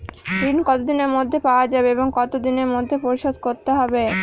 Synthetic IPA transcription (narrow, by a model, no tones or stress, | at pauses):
d̪inkɔt̪od̪ineɾmod̪ʱːepaoad͡ʑabeeboŋkɔt̪od̪ineɾmod̪ʱːepoɾiʃod̪̚koɾt̪eɦɔbe